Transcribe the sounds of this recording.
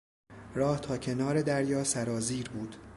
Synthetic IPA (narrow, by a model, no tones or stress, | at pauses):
ɾɒːht̪ʰɒːcʰe̞nɒːɾe̞d̪æɾjɒːsæɾɒːziːɾbuːd̪̥